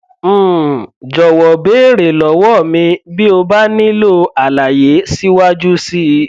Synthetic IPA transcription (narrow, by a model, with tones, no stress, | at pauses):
d͡ʒɔ˨wɔ˨beː˨˦˨ɾe˨lɔ˨wɔ˦˨mĩ˧bi˦o˧ba˦nĩ˦lo˦a˨la˨je˨˦si˦wa˦d͡ʒu˦si˦